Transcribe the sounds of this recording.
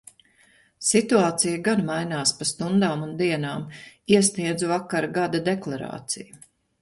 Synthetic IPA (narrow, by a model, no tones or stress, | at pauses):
sit̪uaːt̪sijaɡanmajnaːspast̪und̪aːmund̪iɛnaːmiɛsniɛd̪zuvakːaɾɡad̪ad̪eklˠaɾa̰ːt̪siju